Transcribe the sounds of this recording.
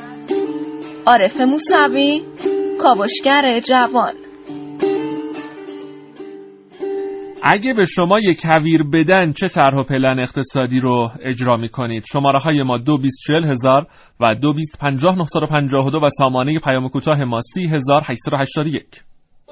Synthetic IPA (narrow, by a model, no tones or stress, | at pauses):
ɒːɾefemuːsævikʰɒːboʃcæɾed͡ʒævɒn | ʔæɟebe̞ʃo̞mɒːjecʰæviːɾbe̞d̪ænt͡ʃʰe̞t̪ʰæɾho̞pʰe̞læneqt̪ʰe̞sɒːd̪iːɾoe̞d͡ʒɾɒːmiːkʰo̞niːd̪̥ʃo̞mɒːɾeɦɒːje̞mɒːd̪obiːst̪t͡ʃʰehelɦe̞zɒːɾ | væd̪obiːst̪pʰænd͡ʒɒːhnohsæd̪opʰænd͡ʒɒːɦod̪o̞væsɒːmɒːnejepʰæjɒːme̞kʰuːt̪ʰɒːɦe̞mɒːsiːɦe̞zɒːɾhæʃt̪sæd̪ohæʃt̪ɒːd̪oje̞cʰ